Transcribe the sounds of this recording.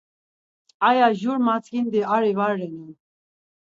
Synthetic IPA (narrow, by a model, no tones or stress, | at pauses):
ajaʒuɾmat͡sʰɡind̪iaɾivaɾːɛnin